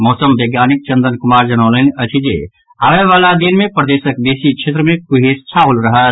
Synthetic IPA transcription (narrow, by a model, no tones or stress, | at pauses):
mɔːsəmʋeɡjaːnik̚t͡ʃə̃nd̪ənkʊmaːɾd͡ʒənaːlənət͡ʃʰid͡ʒḛ | aʋeʋaːlad̪inmẽpɾəd̪eːsəkd̪eːsikt͡ʃʰet̪ɾəmẽkuɦest͡ʃʰaulɾəɦət̪